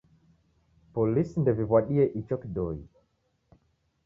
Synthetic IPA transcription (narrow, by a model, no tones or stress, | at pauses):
pɔlisndɛvivwaɗiɛʔit͡ʃɔkdɔḭ